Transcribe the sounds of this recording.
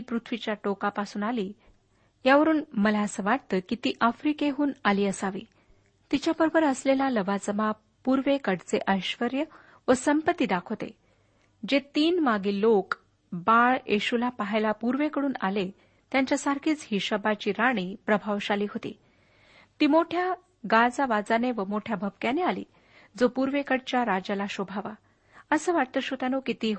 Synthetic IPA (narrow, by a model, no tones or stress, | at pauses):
pɾut̪ʰʋit͡ɕjaʈokapasuːnaliː | jaʋəɾuːnməlaəsəːʋaʈ̚t̪əːkit̪iːʔəfɾikeɦuːnaliːəsaʋḭː | t̪it͡ɕjabəɾbʱəɾəslelaləʋad͡zəma | puɾʋekəɽt͡seʔəjɕʋəɾjə | ʋəsəmpət̪ːiːd̪akʰot̪ḛ | d͡ʑet̪iːnmaɡiːlok | baɭeɕulapaɦejlapuɾʋekəɽuːnale | t̪jaɲt͡ɕjasaɾkʰiːt͡sɦiɕəbat͡ɕiːɾaɽ̃iːpɾəbʱaʋɕaliːɦot̪ḭː | t̪iːmoʈʰja | ɡad͡zaʋad͡zaneʋəmoʈʰjabʱəbkjanealḭː | d͡zopuɾʋekəɽt͡ɕjaɾad͡ʑalaɕobʱaʋa | əsəːʋaʈ̚t̪əɕot̪anokit̪iːɦ